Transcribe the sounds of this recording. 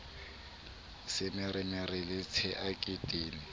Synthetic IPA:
sɪmɪrɪmɪrɪlɪt͡sʰɛʔakʼitʼeːnɪ

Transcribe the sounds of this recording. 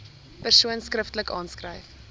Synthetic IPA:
pərsuənskrəftləkɑːnskrəjf

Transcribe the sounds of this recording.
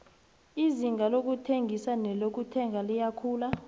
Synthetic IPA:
iziŋɡʱalok̬utʰeŋɡʱisanɛlok̬utʰɛŋʱalijakʰuːla

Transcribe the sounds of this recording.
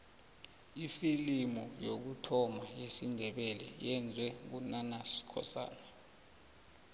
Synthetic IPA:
ifilimɔjok̬utʰɔmajesindʱɛɓɛlɛ̰jɛnd͡zʱwɛk̬unanaskʰɔ̰sa̰ːna

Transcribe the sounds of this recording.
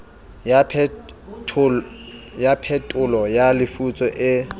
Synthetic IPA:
japʰɛtʼʊlɔjalɪfut͡sʼɔʔɪ

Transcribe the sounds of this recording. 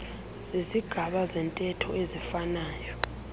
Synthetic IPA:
z̥iziɡ̥ʱaɓazɛntʼɛtʰɔezifanaːjɔ

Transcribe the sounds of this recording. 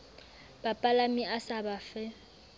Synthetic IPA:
bapʼalamiʔasabafɛ

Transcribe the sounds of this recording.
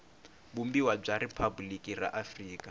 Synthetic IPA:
bumbiwab͡ʐaɾipʰabulikʼira̰ʔafriːkʼa

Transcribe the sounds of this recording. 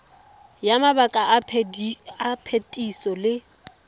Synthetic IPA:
jamabakʼa | apʰetʼisɔlɪ

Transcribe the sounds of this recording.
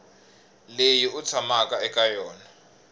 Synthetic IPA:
lejiut͡sʰamakʼaɛkʼajɔːna

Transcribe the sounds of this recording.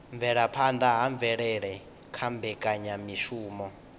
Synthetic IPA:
ɱvɛɺapʰand̪aɦaɱvɛɺɛɺɛ | kʰambɛkʼaɲamiʃuːmɔ

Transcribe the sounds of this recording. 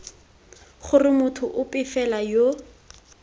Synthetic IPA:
χʊrɪmʊtʰʊʔʊpʼɪfɛlajo

